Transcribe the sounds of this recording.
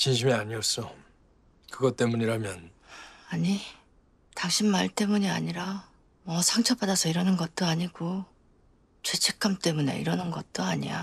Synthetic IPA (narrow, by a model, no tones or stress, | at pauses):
t͡ɕinɕ̬ʰimiaɲiʌs͈ʌ | kɯɡʌt͈e̞muɲiɾamjʌnaɲi | taŋɕʰinmaɭt͈e̞muɲia̰ɲiɾa | mʌsʰaŋt͡ɕʰʌp͈adasʰʌiɾʌnɯnɡʌt̚t͈oaɲiɡo | t͡ɕwet͡ɕʰe̞k͈ʰamt͈e̞mune̞̰ḭɾʌnɯnɡʌt̚t͈oaɲḭja̰